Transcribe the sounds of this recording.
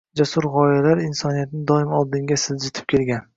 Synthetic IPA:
d͡ʒasʊɾʁɒjalaɾɪnsɒnijat̪nɪd̪ɒɪmɒlˠd̪ɪŋɡʲasɪzd͡ʒɪt̪ʰɪ̥p̚kʲʰe̞lɡʲan

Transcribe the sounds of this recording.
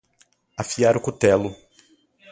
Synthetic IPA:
afiaɾʊkut̪ɛlʊ

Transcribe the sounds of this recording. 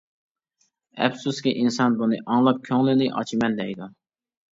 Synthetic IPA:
ɛ̰bsuskʲiʔinsɑnbunɨʔɑŋlˠɑp̚kʲʰøŋlɪnɪʔɑ̰t͡ʃʰimɛnd̪ɛjd̪u

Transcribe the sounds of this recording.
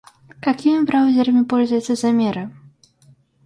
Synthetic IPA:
kakʲimʲibɾawzʲɛɾɐmʲipɔlʲzʊjɛt̪sːəzamʲɛɾɨ

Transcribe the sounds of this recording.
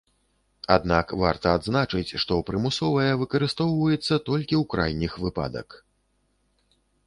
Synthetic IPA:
a̰d̪nakvart̪ɐad̪znat͡ʂɨt͡sʲʂt̪ɔpɾɨmusɔvɐjɐvɨkɐɾɨst̪ɔwvɐjɛt̪sːɐt̪ɔlʲkʲiwkɾajnʲixvɨpa̰d̪ɐ̰k

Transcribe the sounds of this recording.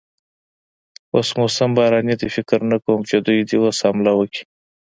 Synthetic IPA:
osmosambɑɾɑnid̪ifɪkɾnakəwəmt͡ʃed̪ujd̪iwosɑmlawəki̥

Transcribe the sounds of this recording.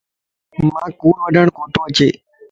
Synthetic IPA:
mãːkuːɳʋəɖʱəɳkoːʈ̪õːət͡ʃḛː

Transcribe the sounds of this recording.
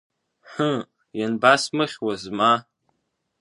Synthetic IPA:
ħə | janbasmɨχʲwazma

